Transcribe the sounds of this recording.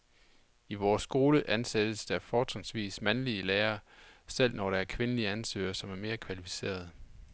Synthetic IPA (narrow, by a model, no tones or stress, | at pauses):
iʋɒːsɡ̥o̝ːləʔænsed̥əsd̥ɑɐfɒːt͡sʰensʋḭːsmænliəleːɐsel̰nɒɾ̥ɑæɐkʰʋe̝nəliəænsø̰ːɐsɒ̽mæɐme̝ːɐkʰʋælifi̥se̝̰ːɐðˠ